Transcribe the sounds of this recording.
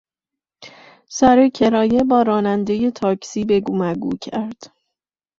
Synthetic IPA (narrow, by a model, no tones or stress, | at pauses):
sæɾecʰe̞ɾɒːje̞bɒːɾɒːnænd̪e̞je̞t̪ʰɒːcʰsiːbe̞ɡomæɡuːcʰæɾd̪̥